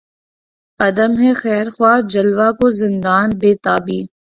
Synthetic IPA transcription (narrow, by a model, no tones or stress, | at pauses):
ɐd̪əmɦɛxɛːɾxwaːd͡ʒɐlwakozɪ̃nd̪aːnbeːt̪aːbiː